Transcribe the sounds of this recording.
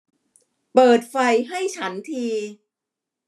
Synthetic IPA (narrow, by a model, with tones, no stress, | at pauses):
pɤː˨˩t̪̚fa˧jɦa˥˩jt͡ɕʰa˦˥nt̪ʰiː˧